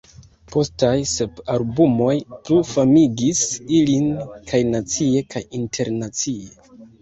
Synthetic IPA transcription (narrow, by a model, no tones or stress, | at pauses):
pʰo̞stajse̞palbumo̞jplufamiɡisilinkʰajnat͡sie̞kʰajintʰe̞ɾnat͡sie